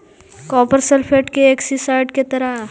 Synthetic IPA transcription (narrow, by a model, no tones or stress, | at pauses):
kɔːpəɾselpʰeʈkeeksisaɪʈket̪ɐɾa